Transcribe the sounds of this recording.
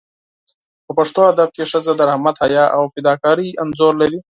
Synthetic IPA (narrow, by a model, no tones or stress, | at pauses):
pəpaʂt̪oad̪ab̚keʂəzad̪əɾahmat̪hajɑʔawfɪd̪ɑkɑɾianzoɾlaɾi